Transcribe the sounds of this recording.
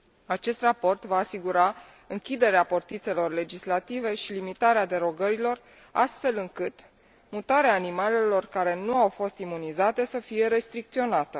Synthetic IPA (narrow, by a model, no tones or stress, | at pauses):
at͡ʃe̞st̪rapo̞rt̪vaːsiɡuɾa | ɨŋkʲid̪e̞ɾeaport̪it̪se̞lo̞rle̞d͡ʒislat̪ive̞ʃilimit̪aɾead̪e̞ɾo̞ɡəɾilo̞r | a̰st̪fe̞lɨŋkɨt̪ | mut̪aɾeaːnimale̞lo̞rkaɾe̞nuawfo̞st̪imunizat̪e̞səfije̞ɾe̞st̪ɾik̚t̪sio̞nat̪ə